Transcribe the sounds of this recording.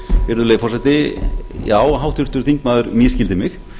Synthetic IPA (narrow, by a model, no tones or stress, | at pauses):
vɪɾðʏleːjfɔrsɛt̪ɪjaːwɦawht̪ʏɾ̥t̪ʏɾ̥θiŋkmaːðʏɾmjɛscɪlt̪ɪmɪx